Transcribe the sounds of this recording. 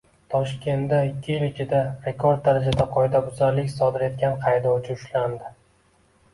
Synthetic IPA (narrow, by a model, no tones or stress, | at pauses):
t̪ʰɒʃkʲʰe̞nd̪aɪkʲʰːɪjɪlɪt͡ʃʰɪd̪aɾe̞kʰoɾd̪̚ːaɾad͡ʒad̪aqʰɒjd̪abʊzaɾlɪkʲsɒd̪ɪɾe̞t̪̚kʲanqʰɑjd̪ɒwt͡ʃʰɪʊʃland̪ɪ